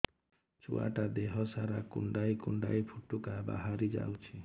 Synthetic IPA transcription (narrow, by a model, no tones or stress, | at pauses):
t͡ʃṵa̰ʈad̪eɦɔsaɾakṵɳɖajkuɳɖa̰jpʰuʈukaba̰ɦaɾid͡ʒa̰wt͡ʃʰi